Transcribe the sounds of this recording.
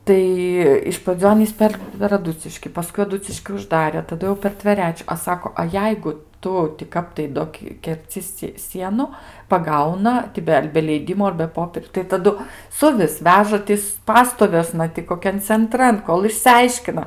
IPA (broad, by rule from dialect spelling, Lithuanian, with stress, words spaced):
ˈtɐɪ ɪʃ prɐˈd͡zʲuː ˈɑːnʲiːs ˈpʲɛr pʲɛr ɐˈdʊt͡sʲɪʃʲkʲɪ pɐˈskʊɪ ɐˈdʊt͡sʲɪʃʲkʲɪ ʊʒˈdɑːrʲɛ tɐˈdʊ jɛʊ pʲɛr tʲʋʲɛˈrʲæːt͡ʃʲʊ ɐ ˈsɑːkoː ɐ ˈjɛɪɡʊ ˈtʊ tʲɪ ˈkɐp tɐɪ ˈdoː kʲɛrʲˈt͡sʲɪ sʲɪ ˈsʲiɛnʊ pɐˈɡɐʊnɐ tʲɪ ˈbʲɛ ɐr bʲɛ ˈlʲɛɪdʲɪmoː ɐr bʲɛ ˈpoːpʲiɛrʲʊ tɐɪ tɐˈdʊ ˈsʊʋʲɪs ˈʋʲæːʒɐ ˈtʲɪs ˈpɑːstoːʋʲuɔsnɐ tʲɪ koːˈkʲɛn t͡sʲɛnˈtrɐn ˈkoːlˠ ɪʃʲsʲɪˈɐɪʃʲkʲɪnɐ